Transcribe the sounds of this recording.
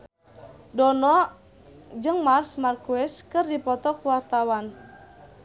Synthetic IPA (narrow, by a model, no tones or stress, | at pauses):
dɔnɔ | d͡ʒɨŋmarsmarkuɛskɨrdipɔt̪ɔkuwart̪awan